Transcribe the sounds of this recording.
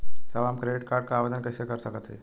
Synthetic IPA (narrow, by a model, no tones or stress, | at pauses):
səbamkɾeɖɪʈ̚kaːɾɖ̚kaaːʋed̪ənkəisekəɾsəkət̪ɦɛ̰ː